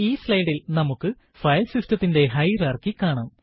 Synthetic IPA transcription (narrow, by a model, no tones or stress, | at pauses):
iːslɐjɽilnɐmukːɨ | fɐjlsistɐt̪ːinde̞ɦɐjraːrkikːaːɳaːm